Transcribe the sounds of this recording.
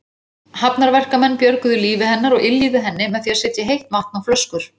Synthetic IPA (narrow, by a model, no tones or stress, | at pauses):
hapnaɾvɛr̥kamɛnːpjœɾkʏðʏliːvɪhɛnːaɾɔɣɪljiðʏɦɛnːɪmɛðθiaɾ̥sɛːt̪jɪɦejht̪mahk̚nawflœskʏɾ̥